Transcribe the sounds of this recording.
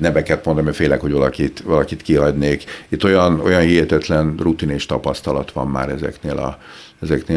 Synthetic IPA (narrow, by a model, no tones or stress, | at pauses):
nɛmɛkɛt̪mo̞nd̪ɒmifeːlɛkhoɟvɒlɒkit̪vɒlɒkit̪kiɦɒɟneːkit̪ːojɒno̞jɒnhiɦɛt̪ɛt̪lɛnrut̪ineʃt̪ɒpɒst̪ɒlɒt̪ʋɒ̰mːa̰ːɾɛzɛ̰kneːlɒ̰ | ɛzɛkneː